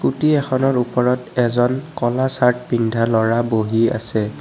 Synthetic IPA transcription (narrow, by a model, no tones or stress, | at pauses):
kutiɛxɔnɔɹupɔɹɔtɛzɔnkɔlasaɹtbindʱalɔɹaboɦia̰sɛ